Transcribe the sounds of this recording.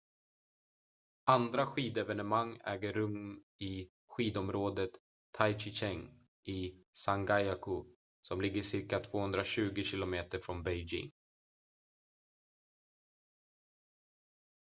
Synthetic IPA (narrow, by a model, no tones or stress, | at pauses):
and̪ɾaɧiːd̪ɛvɛnɛmaŋːɛ̰ːɡəɾːɵm | ɪ | ɧiːd̪ɔmɾoːd̪ət̪ʰː | ajt͡ʃɪɕɛŋ | ʔɪsaŋɡajakʊ | sɔmlɪɡːəʂɪɾkat̪ʰvoːhɵnd̪ɾaɕʉ̟ːɡɪɕɪlʊmeːt̪əɾfɾɔnbɛjd͡ʒɪ̰ŋ